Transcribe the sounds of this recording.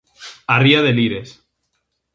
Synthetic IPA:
ariaðeliɾes

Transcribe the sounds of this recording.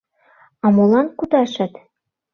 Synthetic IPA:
ɑmolɑnkud̪ɑʃɤ̆t̪

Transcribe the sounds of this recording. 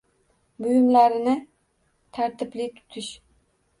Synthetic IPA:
bʊjʊmlaɾɪnɪ | t̪ʰaɾt̪ʰɪplɪt̪ʰʊ̥t̪ʰɪʃ

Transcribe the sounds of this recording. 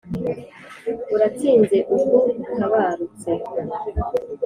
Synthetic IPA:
uɾat͡siːnze̞ʔukonaβaɾut͡se

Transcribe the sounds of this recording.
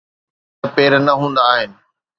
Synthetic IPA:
peːɾnɐɦũːn̆d̪aːɦɪnɪ̆

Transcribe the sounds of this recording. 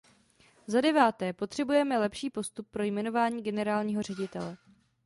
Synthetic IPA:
zadɛvaːt̪ɛːpo̞t̪r̝̥ɛbujɛmɛlɛpʃiːpo̞st̪up̚ːɾo̞jmɛno̞vaːɲiːɡɛnɛɾaːlɲiːɦo̞r̝ɛɟɪt̪ɛlɛ

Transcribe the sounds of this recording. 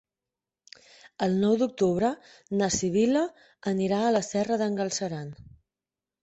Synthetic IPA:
əlˠnɔwd̪uk̚t̪uβɾənəsiβilə | əniɾaələsɛrəðəŋɡəlˠsəɾan

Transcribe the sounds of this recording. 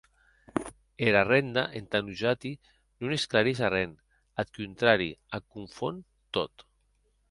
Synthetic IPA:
eɾarend̪aʔent̪anuʒat̪i | nunesklaɾezarɛn | at̪kunt̪ɾaɾḭakuɱfon | t̪ot̪

